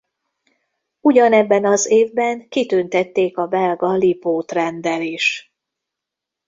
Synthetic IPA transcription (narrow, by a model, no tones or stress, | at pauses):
uɟɒnɛbːɛnɒzeːvbɛŋkit̪ønt̪ɛt̪ːeːkɒbɛlɡɒlipoːt̪rɛnd̪ɛliːʃ